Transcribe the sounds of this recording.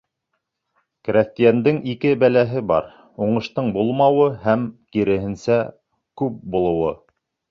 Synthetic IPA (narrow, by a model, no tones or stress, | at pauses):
kɾʲæft̪ijænd̪ɘŋikɘbælæɦɘbɑ̰ɾ | uɴɤ̆ʃt̪ɤɴbulˠmɑwɤhæmkiɾɘ̆ɦɘ̆nsæ | kʉp̚bulˠɤ̆wɤ